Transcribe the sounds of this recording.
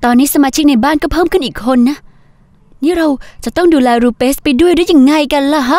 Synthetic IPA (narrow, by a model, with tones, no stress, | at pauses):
t̪ɔː˧nːiː˦˥sa˧maː˧t͡ɕʰi˦˥k̚na˧jbaː˥˩˨nkɔː˥˩pʰɤː˥˩mkʰɯ˥˩nʔiː˨˩kʰːo˧nːa˦˥ʔ | niː˦˥ɾa˧wt͡ɕa˨˩ʔt̪ɔ˥˩ŋduː˧lɛː˧ɾuː˧peː˦˥s̚pa˧jdu˥˩əjduː˥˩ja˧˩ŋːa˧˩jka˧nla˧˩ɦa˦˥